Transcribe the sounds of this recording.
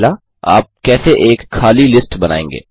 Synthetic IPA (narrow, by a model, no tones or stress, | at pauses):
la | a̰ːp̚kɛːseʔeːkxaːlilɪsʈbɐnaːḛ̃ːŋɡḛː